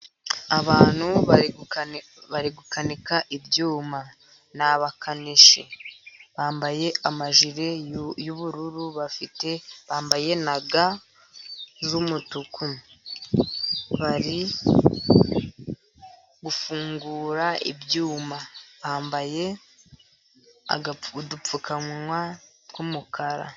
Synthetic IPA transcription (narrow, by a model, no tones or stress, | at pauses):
aβaːn̥huβ | βaɾiɡukanikaʔibjuːma | naβakʰaniʃiβaːmbaje̞amaʒiɾe̞juβuɾuɾuβafite̞βaːmbaje̞naɡa | zumutukʰu | βaɾi | ɡufuːŋɡuːɾaḭβjuːmaβaːmbaje̞ | a̰ɡadup͡fukʰamwa | kumukʰaɾa̰